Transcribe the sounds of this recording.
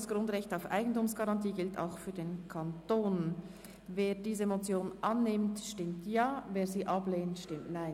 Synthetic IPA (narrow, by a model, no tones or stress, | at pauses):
sɡ̥ʁʊndʁɛçtaʊfʔa̰ɪɡn̩tuːmsɡ̥ɑʁɑntiːɡɪltʰa̰ʊxfyːɐdeːnkʰantoːn | veːdiːzəmot͡sjoːnʔɑnːɪmtʃtɪmtjaːveːɐziːʔɑbleːntʃtɪmtnaɪn